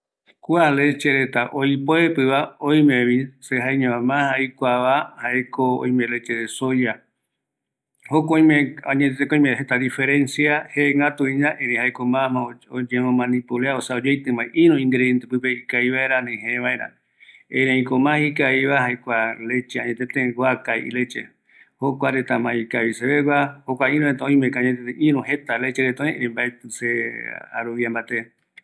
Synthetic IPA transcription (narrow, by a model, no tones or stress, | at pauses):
kʷalet͡ʃeɾet̪aʔojpoepɨβaõj̃mẽβĩseɦajɲõãmãhajkʷaβahaekoo̰ĩmẽlet͡ʃeðesoja | hokoj̃mẽaɲẽekõĩmẽhet̪ad̪ifeɾẽ̞nsiaheŋɡat̪uĩɲãʔeɾẽhajkomãmãood͡ʒẽmõmãnĩpuleaosaod͡ʒejt̪ɨ̃mãiʔĩɾũĩŋɡɾejent̪epɨpehikaiβaeɾanẽɦẽβaeɾa̰ | ẽɾẽãĩkomãhikaiβaɦajkʷalet͡ʃeaɲẽt̪et̪ẽɡʷakaiʔḭlet͡ʃe | hokʷaɾet̪amãikaβiseβeɡʷwahokʷaĩɾ̃ũet̪aõĩmẽkaaɲet̪et̪eʔĩɾũɦet̪alet͡ʃeɾet̪õĩʔẽɾẽmbaet̪ɨsea̰ɾuβiambat̪e